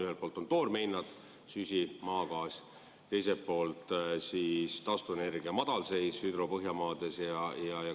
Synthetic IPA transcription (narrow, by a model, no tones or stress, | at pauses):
yɦelt̚poːlt̪ːˑo̞nt̪o̞ːrme̞jnːɑd̪̥ | sysʲimɑːɡɑːsʲ | t̪e̞jse̞tpo̞ːlt̪ˑsiːst̪ɑst̪uene̞rɡ̥iɑmɑd̪̥ɑlse̞jshyd̪ro̞pɤɦjɑmɑːd̪̥e̞sjɑjɑjɑ